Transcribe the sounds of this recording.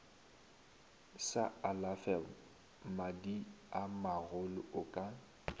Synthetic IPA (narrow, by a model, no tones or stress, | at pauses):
saalafɛl | madiamaɣʊlʊʊkʼa